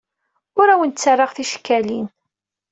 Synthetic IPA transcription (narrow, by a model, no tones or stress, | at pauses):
ʊɾæwənt͡sːarˤːɑʁθiʃkːælin